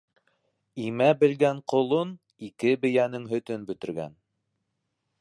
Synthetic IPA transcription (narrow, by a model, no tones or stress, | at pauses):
imæbɘ̆lɡæɴqŏlˠon | ikɘbɘ̆jænɘŋɦɵ̆t̪ɵnbɵ̆t̪ɘ̆ɾɡæ̰n